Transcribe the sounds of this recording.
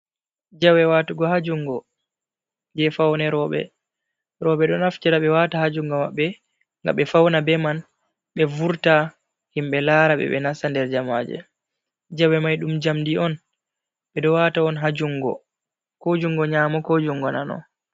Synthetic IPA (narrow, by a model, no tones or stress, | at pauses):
d͡ʒawɛwatuɡɔhad͡ʒuŋɡɔ | d͡ʒɛfawnɛɾɔɓɛ̰ | ɾɔɓɛɗɔnaft͡ʃɛɾaɓɛwatahad͡ʒuŋɡɔma̰ɓːɛ | ŋɡa̰ɓɛfawnabɛman | ɓɛvuɾta | himɓɛlaːɾaɓɛ̰ɓɛ̰nasandɛɾd͡ʒamad͡ʒɛ̰ | d͡ʒawɛmajɗumd͡ʒamdiɔn | ɓɛɗɔwataɔnɦad͡ʒuŋɡɔ̰ | kod͡ʒuŋɡɔɲaːmɔkod͡ʒuŋɡɔnanɔ̰